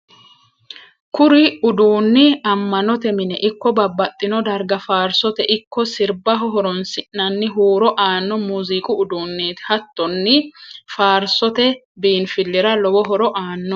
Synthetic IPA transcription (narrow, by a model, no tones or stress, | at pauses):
kʊɾɪʊd̪uːnːɪɐmːɐnɔt̪ɛmɪnɛʔɪkːɔbɐbːɐt̪ʼːɪnɔd̪ɐɾɡɐfaːɾsɔt̪ɛʔɪkːɔsɪɾbɐɦɔɦɔɾɔnsɪʔnɐnːɪɦuːɾɔʔaːnːɔmuːzikʼʊʊd̪uːnːeːt̪hɐt̪ːɔnːɪfaːɾsɔt̪ɛ | biːnfɪlːɪɾɐlɔwɔɦɔɾɔʔaːnːɔ